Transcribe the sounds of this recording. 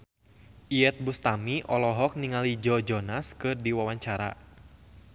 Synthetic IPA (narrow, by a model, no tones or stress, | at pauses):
ʔiɛt̪̚bust̪amiʔɔlɔɦɔk̚niŋalid͡ʒɔd͡ʒɔnaskɨrdiwawaɲt͡ʃaɾa̰